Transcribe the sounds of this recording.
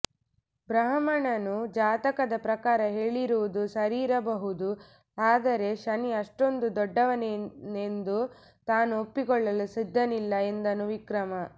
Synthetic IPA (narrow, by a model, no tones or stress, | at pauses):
bɾɐɦɐmɐɳɐnud͡ʒaːt̪ɐkɐd̪ɐpɾɐkaːɾɐɦe̞ːɭiɾuʋud̪usɐɾiːɾɐbɐɦud̪u | aːd̪ɐɾe̞ʃɐniɐʂʈo̞nd̪ud̪ɔɖːɐʋɐneend̪u | t̪aːnuopːiɡɔɭːɐlusid̪ʱːɐnilːɐe̞nd̪ɐnuʋikɾɐmɐ